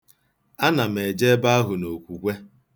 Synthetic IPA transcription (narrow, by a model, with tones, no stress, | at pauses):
a˦na˨m̩˨e˨d͡ʒe˦ba˦a˦ɦʊ˨no˨kʷu˨kʷe˦